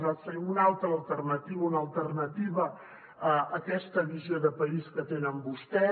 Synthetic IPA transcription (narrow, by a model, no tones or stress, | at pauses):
asəɾiunalˠt̪ɾəːlˠt̪ərnət̪iβəunəlˠt̪ərnət̪iβəː | kɛst̪əβizjoðəpəiskət̪enəmbust̪ɛ